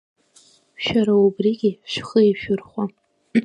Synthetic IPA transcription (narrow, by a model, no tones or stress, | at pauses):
ʃᶣaɾaubriɡʲɪʃᶣχəiʃᶣʊrχʷa